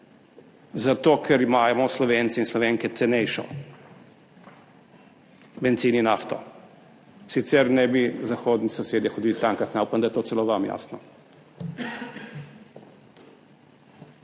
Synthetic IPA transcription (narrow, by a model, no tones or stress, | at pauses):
zat̪oːkʰɛɾimaːjmɔslɔʋeːnt̪siinslɔʋeŋkɛt̪sɛnɛjʃɔ̰ | bɛnt̪siːninaft̪ɔ | sit̪sɛɾnɛbizaxoːd̪nisɔseːd̪jɛxɔd̪iːlit̪aŋkaxnaupand̪ajɛt̪oːsɛloʋamja̰snɔ